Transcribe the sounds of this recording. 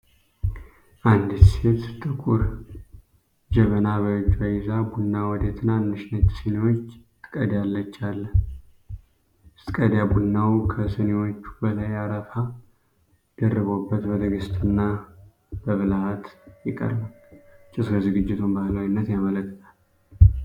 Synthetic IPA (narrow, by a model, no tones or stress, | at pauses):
ʔand̪se̞t̪t̪ʼɨkʼuɾ | d͡ʒɛmənaβəd͡ʒːajɪzabunːawɔd̪et̪ʰɨnːanːɨʃnət͡ʃ̪sɨnewot͡ʃː | kʼəd̪jalːət͡ʃːalːə | st̪ʼkʼəd̪jabunːawkʰəsɨnewo̞t͡ʃːu̥bəlajaɾəfa | d̪ərːɨβo̞bːət̪bət̪ʰəɡɨst̪ʼɨnːa | bəβɨlahat̪jɪkʼːə̰ɾbalt͡ʃʼɪsɾəzɨɡɨd͡ʒːɪt̪ʰunbahləwinːət̪jamələkːət̪ʰal